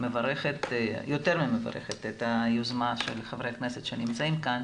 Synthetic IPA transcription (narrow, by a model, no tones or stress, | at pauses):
mevaʁeχet̪jot̪eʁmemeva̰ʁḛχet̪et̪ajozmaʃelχavʁejakneset̪ʃenimt͡saimkan